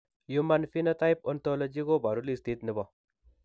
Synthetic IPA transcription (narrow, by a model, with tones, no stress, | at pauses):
jumanfi˦nɐ˦t̪a˦jp̚ont̪olo˦d͡ʒi˦ɡo˦ba˨ɾulist̪i˦t̪ni˨bɔ˨